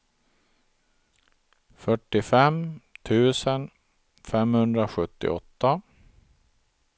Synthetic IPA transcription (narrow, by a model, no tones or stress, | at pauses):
fœʈːɪfɛmt̪ʰʉ̟ːsən | fɛmhɵnd̪ɾaɧɵt̪ːɪ̰ɔ̰t̪ːa